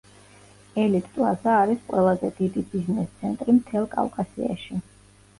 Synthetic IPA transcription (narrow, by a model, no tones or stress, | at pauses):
ɛlit̪ʰːʼlazaːɾisqʼwɛlˠazɛd̪id̪ibiznɛst̪sʰɛnt̪ʼɾimt̪ʰɛlˠkʼa̰vkʼasḭa̰ʃi